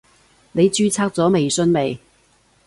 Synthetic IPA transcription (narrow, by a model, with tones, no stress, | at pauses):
ne˨˧jt͡ʃyː˥t͡sʰaː˥k̚t͡sɔː˨˥me˨jsɵ˥nme˨˩j